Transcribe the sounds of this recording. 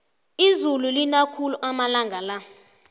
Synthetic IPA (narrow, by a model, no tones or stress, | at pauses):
izululinakʰuluʔamalaŋɡʱala